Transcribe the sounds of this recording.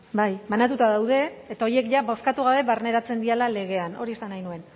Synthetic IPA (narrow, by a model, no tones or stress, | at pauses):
bajbanat̪ut̪aðawðe̞ːt̪ao̞ɾie̞kʝaβo̞skat̪uɣaβe̞βarne̞ɾat͡send̪ialale̞ɣ̞e̞ano̞ɾie̞sanajnue̞n